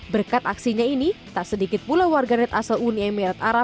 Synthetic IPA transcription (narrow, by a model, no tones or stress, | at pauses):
bərkat̪aksiɲainit̪aʔsədikɪt̪̚pulawarɡanɛt̪asaluniɛmiɾat̪aɾa